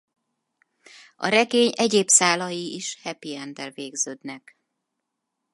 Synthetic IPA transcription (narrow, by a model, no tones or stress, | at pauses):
ɒ̰ɾɛɡeːɲɛɟeːpsaːlɒjiiʃhɛpiɛnd̪ɛlveːɡzøːd̪nɛk